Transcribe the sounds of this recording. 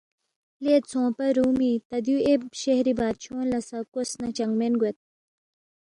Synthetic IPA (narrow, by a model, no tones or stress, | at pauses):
leːt͡sʰõːpɐɾuːmit̪ɐd̪juebɕehɾibaːt̪̚t͡ɕʰõːnlɐsɐkosnɐt͡ɕɐŋɡmenɡwet̪̚